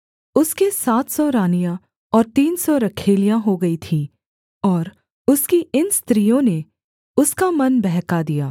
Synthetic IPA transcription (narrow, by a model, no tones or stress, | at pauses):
ʊskesaːt̪ʰsɔɾaːnijã | ɔːɾt̪iːnsɔɾɐkʰeːlijãɦoɡɐit̪ʰĩː | ɔːɾ | ʊskiɪnst̪ɾijõne | ʊskamɐnbɛɦkad̪ijaː